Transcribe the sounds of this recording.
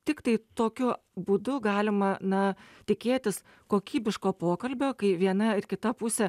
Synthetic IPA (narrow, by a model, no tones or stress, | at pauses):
t̪ʲɪkt̪ɐɪt̪oːkʲʊ | buːd̪ʊɡɑːlʲɪmɐnɐt̪ʲɪkʲeːt̪ʲɪs | koːkʲiːbʲɪʃkoːpoːkɐlʲbʲoːkɐɪʋʲiɛnɐɪrkʲɪt̪ɐpʊsʲɛ